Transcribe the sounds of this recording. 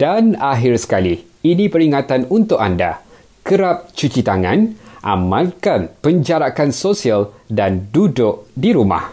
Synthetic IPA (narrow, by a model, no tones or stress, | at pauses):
d̥anaɦɪrsə̥kali | inĩpəɾiŋãt̪anunt̪ʊʔanda̰ | kəɾap̚t͡ʃut͡ʃit̪aŋãnʔa̰mãlkanpəɲd͡ʒaɾakansosialdandudʊʔdiɾuma̰h